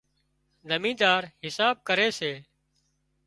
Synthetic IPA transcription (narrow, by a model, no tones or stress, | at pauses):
zəmĩːd̪aːɾɦɪsaːb̚kəɾeːseː